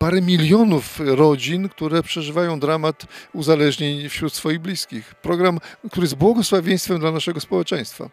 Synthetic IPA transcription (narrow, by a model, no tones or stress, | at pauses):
paɾɛmʲilʲjɔnufɾɔd͡ʑinkt̪uɾɛpʂɛʐɘvajɔ̃w̃d̪ɾamat̪uzalɛʐɲeɲfɕɾut̪sfɔjiɣblʲiskʲixpɾɔɡɾamkt̪uɾɘɪjɛst̪bwɔɡɔswavʲjẽj̃st̪fɛmd̪lanaʂɛɡɔspɔwɛt͡ʂɛ̃j̃st̪fa̰